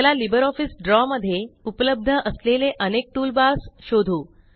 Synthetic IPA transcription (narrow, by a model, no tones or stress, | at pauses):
lalibəɾɔfisɖɾɔməd̪ʱːjeupələb̚d̪ʱəʔəsleleʔənek̚ʈuːlbasɕod̪ʱuː